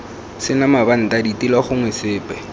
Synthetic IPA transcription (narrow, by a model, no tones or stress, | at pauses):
sɪnamaban̩tʼaditʼilaχʊŋwɛsɪːpʼɛ